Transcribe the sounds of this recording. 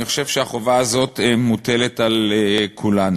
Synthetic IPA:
niχo̥ʃe̞vʃeaχovaːzo̞t̪emute̞letalekʰulan

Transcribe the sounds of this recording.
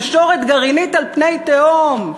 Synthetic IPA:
ʃo̞ʁet̪ɡaʁinit̪alpnejt̪eom

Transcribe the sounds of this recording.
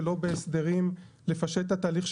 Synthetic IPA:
lo̞beːsd̪e̞ʁim | le̞faʃe̞t̪hat̪aːliχʃ

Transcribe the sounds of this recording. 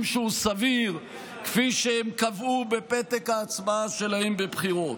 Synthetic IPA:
mʃeusaviʁ | kfiʃehemkavube̞pet̪ekaːt͡sbaaʃe̞lahembebχiʁo̞t

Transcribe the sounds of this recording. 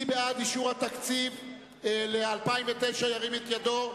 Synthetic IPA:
ibead̪iʃuʁhat̪akt͡siv | lealpaimvet̪ejʃajaʁimet̪jado̞

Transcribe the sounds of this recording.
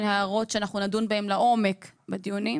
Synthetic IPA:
nhaaʁo̞tʃeanaχnunadunbahemlaʔo̞mekbed̪ijunim

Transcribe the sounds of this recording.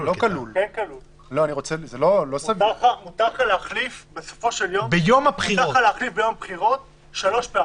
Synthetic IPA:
lokalulenkalul | lo̞aniʁo̞t͡sezelo̞lo̞savaamut̪aχaleaχlifbesofo̞ʃeljobejomapχiʁt̪aχaleaχlifbejo̞mapχiʁo̞t̪ | ʃalo̞ʃpea

